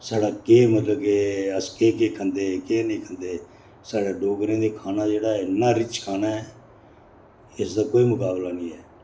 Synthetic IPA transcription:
saːɽaːkeːmət̪ləbkeːəskeːkeːkʰənd̪eːkeːnĩːkʰənd̪eː | saːɽaːɖoːɡɾẽːd̪eːkʰaːnaːd͡ʒeːɽaːɪnːãːɾɪt͡ʃkʰaːnaːɛː | ɪsd̪aːkoːiːmʊkaːblaːnĩːɛː

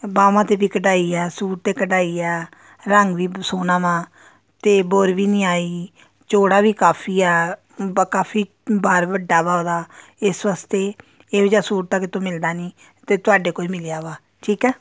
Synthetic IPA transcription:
baːʋãːt̪eːbiːkəɖaːiːɛːsuːʈt̪eːkəɖaːiːɛː | ɾəŋɡʋiːsoːnãːmãː | t̪eːboːɾʋiːnĩːaːiː | t͡ʃoːɽaːʋiːkaːpʰiːɛː | kaːpʰiː | baːɾbəɖːaːbaːd̪aː | ɪsʋaːst̪eː | eːd͡ʒaːsuːɾt̪aːkɪt̪õːmɪld̪aːniː | t̪eːt̪ʊaːɖeːkoiːmɪlejaːʋaː | ʈʰiːkɛː

